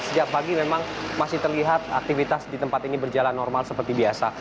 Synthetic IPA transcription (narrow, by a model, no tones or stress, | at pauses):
səd͡ʒak̚paɡimemaŋmasɪht̪ərliɦat̪̚a̰k̚t̪ifit̪asdit̪əmpat̪inibərd͡ʒalanːɔrmalsəpərt̪ibiasa